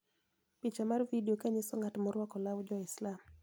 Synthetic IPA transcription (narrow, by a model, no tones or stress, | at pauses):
pit͡ʃamarvidiokaɲɪsɔŋatmɔɾwɔkɔlawd͡ʒɔɪslam